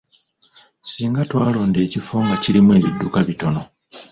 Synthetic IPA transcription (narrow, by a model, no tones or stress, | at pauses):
siːŋɡatwaːlo̞ːnde̞ːcifoːŋɡaciɾimwe̞ːβidːukaβito̞no̞